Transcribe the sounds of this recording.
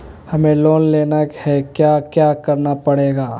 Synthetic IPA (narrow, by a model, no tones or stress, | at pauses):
hɐmẽloːnleːnəkhɛkjaːkjaːkəɾnapəɽeːɡaː